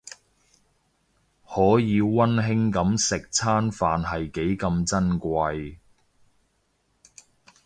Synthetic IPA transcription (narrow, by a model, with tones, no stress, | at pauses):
hɔː˨˥jiː˨˧wɐ˥nɦɪ˥ŋkɐ˨˥msɪ˨k̚t͡sʰaː˥nfaː˨nɦɐ˨jke˨˥jkɐ˧mt͡sɐ˥nkʷɐ˧j